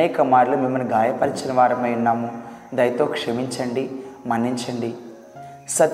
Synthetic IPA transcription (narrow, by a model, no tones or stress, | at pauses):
ɛːkɐmaːɾlumimːɐniɡaːjɐpɐɾit͡ʃinɐʋaːɾɐmɐjunːaːmud̪ɐjt̪oːkʂɐmiɲt͡ʃɐɳɖimɐnːiɲt͡ʃɐɳɖi | sɐt̪